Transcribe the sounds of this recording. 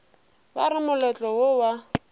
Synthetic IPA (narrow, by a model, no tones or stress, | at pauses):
baɾɪmʊlɛt͡ɬʼɔwowa